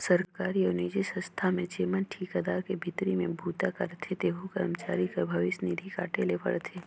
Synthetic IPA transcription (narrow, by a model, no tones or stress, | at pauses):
səɾkaːɾioːniːd͡ʒisə̃st̪ʰamẽt͡ʃeːmənʈʰiːkəd̪aːɾkebʱɪt̪ɾimẽbʱuːt̪akɐɾt̪ʰet̪eːɦukɐɾmt͡ʃaːɾikəbʱɐʋɪsnid̪ʱika̰ːʈelepɐ̰ɽt̪ʰeː